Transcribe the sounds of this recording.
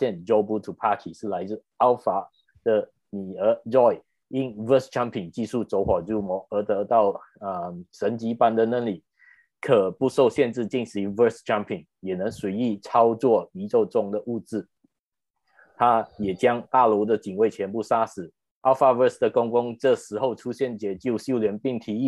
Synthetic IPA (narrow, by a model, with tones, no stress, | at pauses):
ɕjɛ˥˧nd͡ʒo˥ʊbu˧˥t̪ʰu˨˩pʰa˥t̪ʰi˨˩ʂ̩˥˩la˧˥ɪ˥˩ | ɑ˥ʊfa˧˥ | d̪̥ə˨ | ni˨˩ə˧˥ɹɔ˥˩ɪ | i˥nvə˥sʈ͡ʂʰa˥mpʰi˨˩ŋt͡ɕi˥˧ʂu˥˩t͡so˧˥ʊxwɔ˨˩ɹu˥mɔ˧˥ə˧˥t̪ɤ˧˥t̪ɑ˥˩ʊə˧ʂə˧˥nt͡ɕi˧˥pa˥˩nd̪ə˨na˥˩li˨˩ | kʰɤ˨˩pu˥˧so˥˧ʊɕjɛ˥˧nt͡sɻ̩˥˧t͡ɕi˥˩nsɻ̩˧˥və˥˧sʈ͡ʂʰa˥mpʰi˨˩ŋjɛ˨˩nɤ˧˥ŋswe˧˥ɪi˥˩t͡sʰɑ˥ʊt͡swɔ˥˩i˧˥ʈ͡ʂo˥˧ʊʈ͡ʂʊ˥˩ŋd̪ə˨˩ʔu˥˧t͡sɻ̩˥˩ | t̪ʰa˥jɛ˨˩t͡ɕjɑ˥ŋt̪a˥˩lɔ˧˥d̪ə˨t͡ɕi˨˩ŋwe˥˩ɪt͡ɕʰjɛ˧˥npu˥˩ʂa˥sɹ̩˨˩ | a˥fa˥və˥˧sd̪ə˩kʊ˥ŋkʊ˥ŋʈ͡ʂɤ˥˩ʂɻ̩˧˥xo˥˧ʊʈ͡ʂʰu˥ɕjɛ˥˩nt͡ɕjɛ˧˥t͡ɕjo˥˧ʊɕjo˥˧ʊljɛ˧˥npi˥˩ŋt̪ʰi˧˥i˥˩